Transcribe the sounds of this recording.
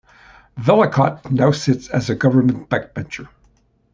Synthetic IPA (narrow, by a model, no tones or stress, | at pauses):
vɛlˠəkʰɑt̚naʊsɪtsɨzɨɡʌvə˞mɨ̃nb̥æk̚b̥ɛ̃nt͡ʃə˞